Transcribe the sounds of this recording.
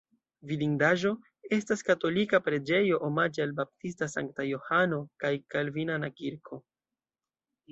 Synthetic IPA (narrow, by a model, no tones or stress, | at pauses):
vidiŋdaʒo̞ | e̞staskato̞likapɾe̞d͡ʒe̞jo̞ʔomad͡ʒialbap̚tistasa̰ŋk̚tajo̞hano̞kajkalvinanakiɾkʰo̞